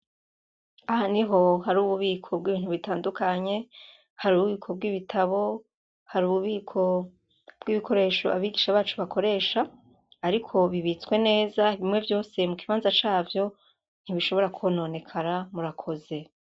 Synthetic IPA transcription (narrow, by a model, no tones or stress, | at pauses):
ahaniɦo̞ɦaɾuːβuβiːkʰo̞b̚ɡiːβiːnhuβitaːndukʰaɲe̞ | haɾuːβuβiːkʰo̞b̚ɡiβitʰaβo̞ | haɾuːβuβiːkʰo̞ | b̥ɡiβikʰo̞ɾe̞ːʃoaβiɡiʃaβaːt͡ʃuβakʰo̞ɾe̞ːʃaː | ɾikʰo̞βiβit͡skwe̞ne̞ːzaiβimŋe̞vjo̞ːse̞mukiβaːnzat͡ʃaːvjo̞ | n̥hiβiʃo̞βo̞ɾakʰono̞ne̞kʰaɾamuɾakʰo̞ze̞